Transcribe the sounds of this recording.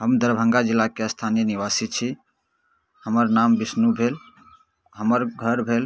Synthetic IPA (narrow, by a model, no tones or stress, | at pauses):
ɦəmd̪əɾbʱə̃ŋɡad͡ʒilːakeəst̪ʰanijəniʋasit͡ʃʰi | həməɾnambisnubʱel | ɦəməɾɡʱəɾbʱel